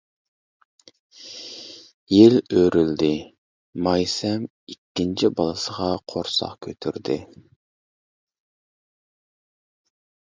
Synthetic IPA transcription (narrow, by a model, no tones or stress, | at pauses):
jeløɾyld̪ɪ | mɑjsɛm | ikʲːint͡ʃʰibɑlˠɨsəʁɑqʰoɾsɑ̰qkʲʰøt̪ʰyɾd̪ɪ